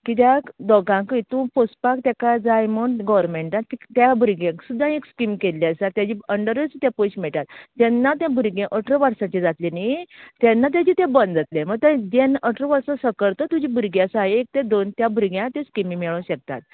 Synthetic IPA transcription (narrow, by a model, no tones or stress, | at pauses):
kit̪̬jakd̪ɔɡãkət̪ũpospak̚t̪jakad͡zajmoɳɡɔʋɾmẽɳʈat̪ikt̪jabʱuɾɡãksud̪ʱːãekskimkelːasat̪jad͡ʑiəɳɖəɾət͡st̪jãpoɕmɛɭʈ̪at̪ːɛnːat̪jãbʱuɾɡẽʔəʈʰɾəʋəɾsãt͡ɕed͡zat̪lenit̪ɛ̃nːat̪̬jad͡ʑit̪ɛ̃bənd͡zat̪leməɡ̚t̪ãd͡ʑɛnəʈʰɾəʋəɾsɔ̃səkəɽt̪ɔt̪ud͡ʑibʱuɾɡjasajek̚t̪ẽd̪ont̪jabʱuɾɡjãt̪ɛ̃skimimɛɭõɕək̚t̪a̰t̪̚